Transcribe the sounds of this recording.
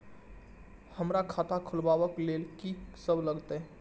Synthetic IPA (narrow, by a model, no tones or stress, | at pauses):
həmɾakʰat̪ʰakʰulbaʋəklelkisəbləɡt̪ə